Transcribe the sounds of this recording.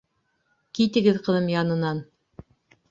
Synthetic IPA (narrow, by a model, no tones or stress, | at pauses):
kit̪ɘ̆ɡɘðqɤ̆ðɤmjɑnɤ̆nɑn